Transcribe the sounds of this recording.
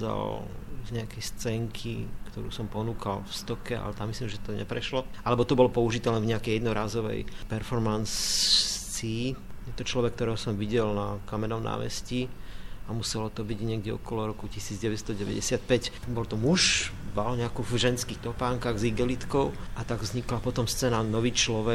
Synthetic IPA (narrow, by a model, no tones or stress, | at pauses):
za̰lzɲɛakɛjst͡sɛŋkʰḭkt̪ɔɾṵːsɔmpɔnuːkalfst̪ɔkɛa̰lɛt̪amːislimʒɛt̪ɔɲɛ̰pɾɛʃlɔʔalɛbɔt̪ɔbɔlɔpɔuʒit̪ɛlɛnvɲɛakɛjɛd̪nɔɾaːzɔʋɛ̰jpɛɾfɔɾmans | t͡sijɛt̪ɔt͡ʃlɔʋɛk̚t̪ɔɾɛːɦɔsɔmʋiɟɛlnakamɛnɔmnʔa̰ːmɛ̰sciamusɛlɔt̪ɔbiɟɲɛɡɟɛɔ̰kɔlɔɾɔkucisiːd͡zɟɛʋɛst̪ɔɟɛʋɛ̰ɟɛ̰sɪat̪̚pɛc | bɔlt̪ɔmuʃbalɲɛakuvʒɛnskiːxt̪ɔpaːŋkaɣziɡɛlit̪kɔʊat̪aɡvzɲiklapɔt̪ɔmst͡sɛnanɔʋiːt͡ʃlɔʋɛ